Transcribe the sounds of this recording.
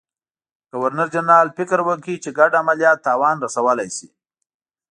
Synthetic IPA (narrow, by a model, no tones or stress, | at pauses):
ɡ̥awaɾnəɾd͡ʒanɑlfɪkɾwəkit͡ʃeɡaɖamaljɑt̪ːɑwɑnɾasawəlajsḭ